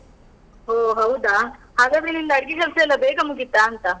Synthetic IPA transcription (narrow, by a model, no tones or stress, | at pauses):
oːɦɐwd̪ahaːɡaːd̪ɾenind̪ɐɐɽɡiʃɐlseɛlːɐbeːkɐmuɡit̪ːaːnt̪ɐ